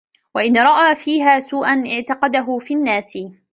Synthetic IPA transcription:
waʔɪnɾˤɑʔaːfiːɦaːsuːʔanʔɪʕt̪ɑqɑd̪aɦʊfiːnːaːsɪ

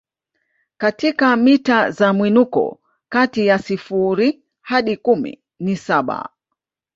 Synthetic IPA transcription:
katikamitazamwinukɔ̰ | katijasifuɾi | haɗikumḭ | nisaɓa̰

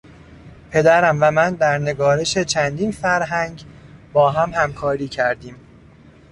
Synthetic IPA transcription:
pʰe̞d̪æɾæmvæmænd̪æɾne̞ɡɒːɾe̞ʃe̞t͡ʃʰænd̪iːnfæɾɦæŋɟbɒːɦæmhæmkʰɒːɾiːcʰæɾd̪iːm

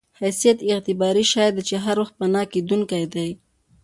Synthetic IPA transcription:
hajsijat̪ɪɣt̪ɪbɑɾiʃɑjad̪t͡ʃeɦaɾwaxt̪̚pənɑked̪uŋkajd̪aj

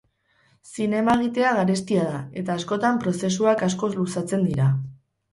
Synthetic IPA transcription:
sine̞maeɣ̞it̪e̞aɣaɾe̞st̪iað̞ae̞t̪aːsko̞t̪ampɾo̞se̞suakasko̞lusat͡se̞nd̪iɾa

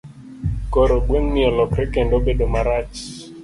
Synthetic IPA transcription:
koɾoɡweŋnɪɔlɔkɾekendobedomaɾat͡ʃ

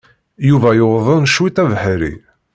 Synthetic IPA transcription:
juvæjoʁðˤənʃwit̪ævħɾḭ

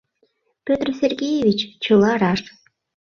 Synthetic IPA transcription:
pʲøt̪rsʲerʲɡʲejevʲit͡ɕt͡ɕɨlˠɑɾɑʂ

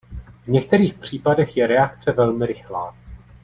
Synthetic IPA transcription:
vɲɛk̚t̪ɛɾiːxpr̝̥iːpadɛxjɛɾɛakt͡sɛvɛlmɪɾɪxla̰ː

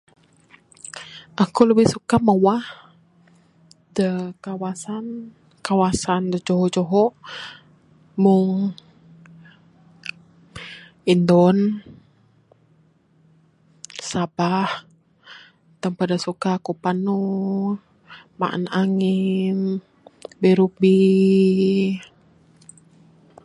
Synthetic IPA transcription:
ʔakuləbɪhsukaməwah | dəkawasan | kawasandəd͡ʒoɦɔd͡ʒoɦɔʔ | mʊŋ | indɔn | sabah | t̪əmpadasukakupanu | ma̰ʔə̰naŋin | bɛɾuk̚bi

